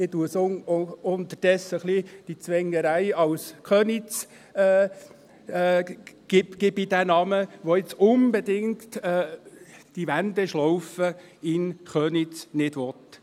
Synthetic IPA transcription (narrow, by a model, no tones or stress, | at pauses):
ɪtuəsoʊnt̪əɾd̥ɛsəχlid̥it͡sʋɛŋːəɾæɪɑwskʰœːnit͡s | ɛː | ɡ̥ɪbɡ̥ɪbid̥̪ænɑməʋoɪt͡sʊnbɛd̪ɪŋkt̪ɛ | d̥iʋænd̪ɛʃlɔwfəɪnχœːnit͡snɪd̥ʋɔt̪